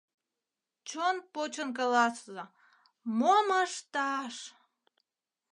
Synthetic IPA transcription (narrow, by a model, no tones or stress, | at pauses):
t͡ɕonpot͡ɕonk̬ɑlɑszə | moməʃt̪ɑʃ